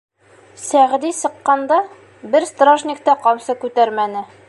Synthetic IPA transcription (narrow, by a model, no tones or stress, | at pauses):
sæʁd̪isɤ̆qːɑnd̪ɑ | bɘɾst̪raʒnʲɪk̚t̪ɑqɒwsɤkʉt̪æɾmænɘ